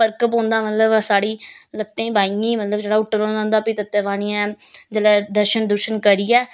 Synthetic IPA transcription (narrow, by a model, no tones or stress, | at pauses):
pəɾkəpɦõːnd̪aːmət̪ləbsaːɽiːlət̪ːẽːbaːiĩːmət̪ləbd͡ʒeːɽaːʊʈːəɾõːd̪ãːnd̪aːpit̪ət̪ːeːʋaːñiã | d͡ʒəlɛːd̪əɾʃənd̪əɾʃənkəɾiːɛː